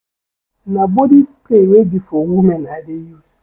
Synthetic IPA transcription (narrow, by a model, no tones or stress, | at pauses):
nabodistewebifoŋʷumenaadɪju